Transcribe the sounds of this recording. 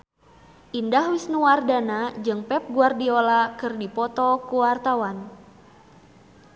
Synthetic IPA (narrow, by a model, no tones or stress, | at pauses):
ʔindahwisnuwardanad͡ʒɨŋpɛp̚ɡuardiolakɨrdipɔt̪ɔkuwart̪awan